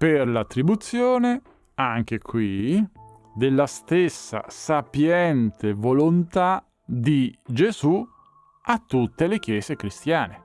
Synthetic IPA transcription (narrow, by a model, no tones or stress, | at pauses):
perlat̪ːɾibut̪sːjoːne | aŋk̟ekʰwi | d̪elːast̪esːa̰sapjɛnt̪evolont̪a | d̪id͡ʒezu | at̪ːut̪ːelek̟jɛːzekɾist̪jaːne